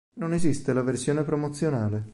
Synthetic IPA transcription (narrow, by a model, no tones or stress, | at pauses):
nonezist̪elaversjoːnepɾomot̪sːjonaːle